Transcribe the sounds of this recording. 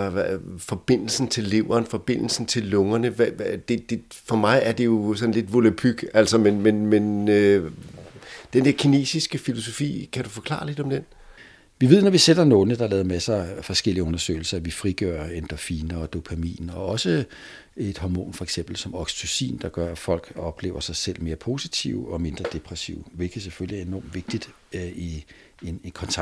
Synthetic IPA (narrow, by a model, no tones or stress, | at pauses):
fɒ̽b̥e̝n̰l̩sn̩t͡sʰe̝lːe̝ʊ̰ɐːnfɒ̽b̥e̝n̰l̩sn̩t͡sʰe̝lːɔ̽ŋɐnəʋd̥e̝d̥e̝fɒ̽mɑ̈ɪæɐd̥e̝jo̝sɒ̽n̩le̝d̥ʋo̝læpʰyɡ̥æl̰sɐmenmenmen | d̥end̥eɐkʰine̝̰ːsisɡ̥əfilo̝so̝fḭːkʰæd̥ufɒ̽kʰlɑ̰̈ːle̝d̥ɒ̽md̥en | ʋiʋe̝ð̰ˠnɒʋised̥ɐnoːləd̥ɑlɛːð̞ˠɐmæsɐfɒ̽sɡ̥el̰iəɔ̽nɐsø̰ɪl̩sɐæʋifʁiɡ̥øɐend̥ɐfiːnɐɒ̽d̥o̝pʰæmḭːn̩ɒ̽ɒ̽sə | e̝d̥hɑmo̝̰ːnfɒ̽eɡ̥sem̰b̥l̩sɒ̽mɒɡ̥st͡sʰusḭːnd̥ɑ̈ɡ̥ɶɐæfɒ̽l̰ɡ̥ɒ̽b̥le̝ːʊɐsɑ̈ɪsel̰me̝ːɐpʰo̝si̥t͡sʰḭʊɒ̽me̝nd̥ʁɐd̥e̝pʰʁɛsḭʊʋe̝lɡ̥ʰəð̩ˠseføliæɐe̝nɒ̰ːmʋe̝ɡ̥̚d̥id̥ | i | enekʰɒ̽nt͡sʰɑ